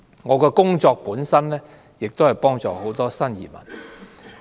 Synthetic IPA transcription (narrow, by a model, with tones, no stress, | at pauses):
ŋɔː˨˧kɛː˧kʊ˥ŋt͡sɔː˧k̚puː˨˥nsɐ˥nlɛː˥ | jɪ˨k̚t̪o˥whɐ˨jpɔː˥ŋt͡sɔ̰ː˨ho˨˥wt̪ɔː˥sɐ˥njḭː˨˩mɐ̰˨˩n